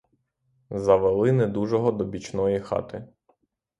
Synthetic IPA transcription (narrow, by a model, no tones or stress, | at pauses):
zɐʋelˠɪnɛd̪uʒɔɦɔd̪ɔbʲit͡ʃnɔjixɑ̰t̪ɪ